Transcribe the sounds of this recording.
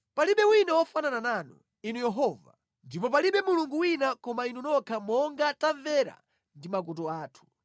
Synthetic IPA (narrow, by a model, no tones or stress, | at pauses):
paliɓɛwinawɔfananananu | inujɛɦɔːva | ndipɔp̬aliɓɛmuluŋɡuwinakɔmainunɔkʰamɔŋɡatavɛɾa̰ | ndimak̬utɔaːtʰu̥